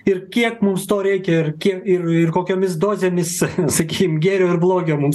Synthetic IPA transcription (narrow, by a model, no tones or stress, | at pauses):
ɪrkʲiɛkmʊmst̪oːɾʲɛɪkʲɛɪɾkʲiɛkɪrɪrkoːkʲoːmʲɪsd̪oːzʲeːmʲɪssɐkʲiːkʲɪmɡʲæːɾʲoːɪɾblˠoːɡʲoːmʊms